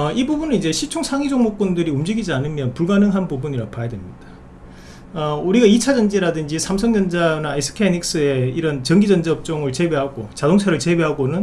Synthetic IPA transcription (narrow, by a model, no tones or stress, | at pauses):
ibubunɯid͡ʑe̞ɕʰit͡ɕʰoŋsʰaŋid͡ʑoŋmok̚p͈undɯɾiumd͡ʑiɡid͡ʑianɯmjʌnpuɭɡanɯŋɦanbubuɲiɾapajadwemɲid̥ḁ | ʌuɾiɡait͡ɕʰad͡ʑʌnd͡ʑiɾadɯnd͡ʑisʰamsʰʌŋd͡ʑʌnd͡ʑanaesʰɯ̥kʰenik̚s͈ɯe̞iɾʌnt͡ɕʌŋɡid͡ʑʌnd͡ʑaʌp̚t͡ɕ͈oŋɯɭt͡ɕe̞be̞ɦaɡot͡ɕadoŋsʰaɾɯɭt͡ɕe̞beɦaɡonɯn